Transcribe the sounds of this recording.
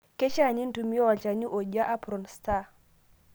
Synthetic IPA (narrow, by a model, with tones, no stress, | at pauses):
kɛ˦t͡ʃa˦˨ɲi˦n̩˦tu˨mi˦ɔ˦wa˨t͡ʃa˨ɲi˦ʔo˨ʄa˦ʔa˦pɾɔ˨nsta˦˨